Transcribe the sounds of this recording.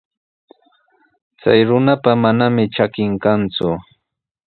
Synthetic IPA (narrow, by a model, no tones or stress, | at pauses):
t͡sajɾʊnapamanamɪt͡ʃakɪŋkant͡sʊ